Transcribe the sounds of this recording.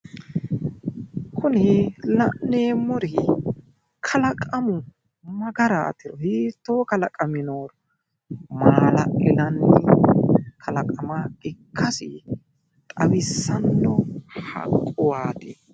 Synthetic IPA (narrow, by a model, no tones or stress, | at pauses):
kʰʊnɪlɐnneːmːɔɾɪ | kʰɐlɐkʼɐmʊ | mɐɡɐɾɐ̰ːt̪ɪɾɔhiːt̪ːoːkɐlɐkʼɐmɪnoːɾ | maːlɐʔɪlɐnːɪ | kʰɐlɐkʼɐmaɪkʰːɐsɪ | t̪ʼɐwɪsːɐnːɔhɐ̰kʼːɔwaːt̪ɪ